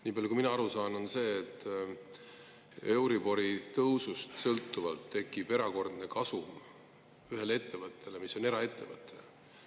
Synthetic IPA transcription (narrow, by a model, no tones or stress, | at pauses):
niːbɑljukuiminɑɑɾusɑːno̞nse̞ːt̪ːˑ | e̞wɾibo̞ɾit̪ɤwsust̪sɤlt̪ːˑuvɑlt̪ːe̞kːˑib̥e̞ɾɑko̞rd̪ne̞kɑsum | yɦe̞lee̞t̪ːe̞vɤt̪ˑːe̞lemisːo̞ne̞ɾɑe̞t̪ːe̞vɤt̪ʰːˑe